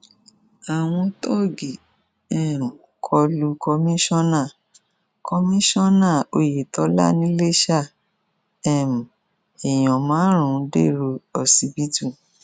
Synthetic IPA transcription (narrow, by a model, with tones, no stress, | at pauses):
a˨w̃ɔ̃˧tɔ˦˨ɡi˨ | ɛ˦˨m˨ | kʰɔ˧lu˧kɔ˧mĩ˦ʃɔ̃˦nã˦˨ | kɔ˧mĩ˦ʃɔ̃˦nã˦˨o˧je˨tɔ˨˦la̰˦nĩ˦le˦ʃa˦˨ | ɛ˦˨m̩˨ | e˨j̃ɔ̃˨mãː˨˦ɾ̃ũ˨˦de˦˨ɾo˧ɔ˨si˧bi˦tũ˦˨